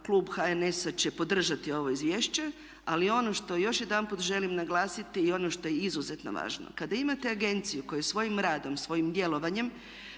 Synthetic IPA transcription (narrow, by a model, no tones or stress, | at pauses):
klˠuːbxaene̞sat͡ɕe̞po̞d̪r̩ʒat̪io̞ʋo̞izʋjeːʃt͡ɕe̞ | alio̞no̞ʃt̪o̞jo̞ʃje̞d̪anput̪ʒe̞limnaɡlˠaːsit̪iːo̞noʃt̪o̞jeizuze̞t̪no̰ʋa̰ːʒno̰kad̪aimat̪e̞aɡe̞nt̪sijuko̞jesʋo̞jimɾaːd̪o̞msʋo̞jimd̪je̞lˠo̞ʋaɲe̞m